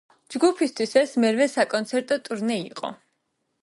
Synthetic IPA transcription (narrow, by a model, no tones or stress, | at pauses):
d͡ʒɡupʰist̪ʰwisɛsmɛɾvɛsakʼɔnt̪sʰɛɾt̪ʼɔt̪ʼuɾnɛiqʼɔ̰